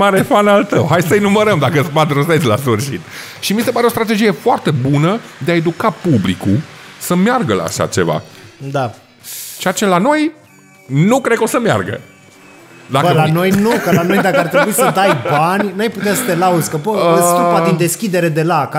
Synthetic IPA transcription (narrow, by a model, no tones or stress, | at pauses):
maɾefanalt̪əwɦajsəinuməɾəmd̪akəɨspat̪ɾuset͡ʃ̪ʲla̰sfɨrʃit̪ | ʃimise̞paɾeo̞st̪ɾat̪e̞d͡ʒije̞foart̪e̞bunə | d̪eae̞d̪ukapublikusəmjarɡəla̰ːʃa̰t͡ʃe̞va̰d̪a | t͡ʃeat͡ʃe̞lano̞j | nukɾed̪kosəmja̰rɡə̰ | d̪akbəlano̞jnukəlano̞jd̪akəaɾrt̪ɾebuisəd̪ajbanʲnajput̪easət̪e̞laud̪zʲkəpəəsiipaind̪e̞skʲid̪e̞ɾe̞d̪e̞laka